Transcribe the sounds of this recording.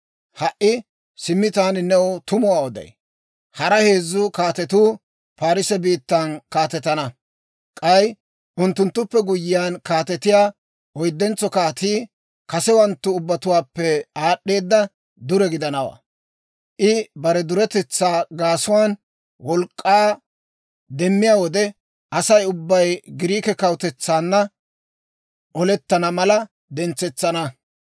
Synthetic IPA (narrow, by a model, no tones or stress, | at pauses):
hɐʔːɪ | sɪmːɪt̪aːnɪnɛʊt̪ʊmʊwaːwɔd̪ɐ̰j | hɐɾɐhe̞ːzːʊkaːt̪ɛt̪uː | paːɾɪsɛbiːt̪ːɐnkaːt̪ɛt̪ːɐnɐ | kʼɐj | ʔʊnt̪ːʊnt̪ːʊpːɛɡʊjɪjaːnkaːt̪ɛt̪ɪjaː | ɔjd̪ːɛnt͡sɔkaːt̪iː | kɐsɛwɐnt̪ːʊːbːɐt̪ʊwaːpːɛaːɗːe̞ːd̪ːɐ | d̪ʊɾɛɡɪd̪ɐnɐwa̰ː | ʔɪbɐɾɛd̪ʊɾɛt̪ɛt͡sːaːɡaːsʊwaːn | wɔlkʼːaː | d̪ɛmːɪjaːwɔd̪ɛ | ʔɐsɐjʊbːɐjɡɪɾiːkɛkɐwt̪ɛt͡sːaːnːɐ | ʔɔlɛt̪ːɐnɐmɐlɐ | d̪ɛnt͡sːɛt͡sːɐnɐ